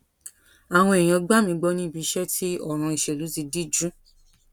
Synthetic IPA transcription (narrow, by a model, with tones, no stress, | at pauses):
a˨w̃ɔ̃˧e˨j̃ã˧ɡ͡ba˦mĩ˧ɡ͡bɔ˧˦nĩ˦i˦˨bi˨˧˦ʃɛ˦tʰi˦ɔ˦˨ɾ̃ã˧i˨ʃɛ˨lu˨˦zi˧di˦d͡ʒũ˦